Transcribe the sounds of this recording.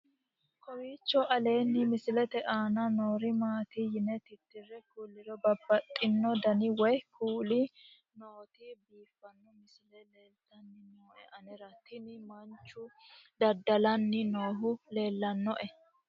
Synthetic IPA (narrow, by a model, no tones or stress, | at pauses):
kʰɔwiːt͡ʃːɔʔɐle̞ːnːɪmɪsɪlɛt̪ɛʔaːnɐnoːɾɪmaːt̪ɪjɪnɛt̪ɪt̪ːɪrɛkulːɪɾɔbɐbːɐt̪ʼːɪnːɔd̪ɐnɪwɔjkuːlɪ | noːt̪ɪbiːfːɐnːɔmɪsɪlɛleːlt̪ɐnːɪnoːʔɛʔɐnɛɾɐt̪ʰɪnɪmɐnt͡ʃːʊd̪ɐd̪ɐlɐnːɪnoːɦʊle̞ːlːɐnːɔʔɛ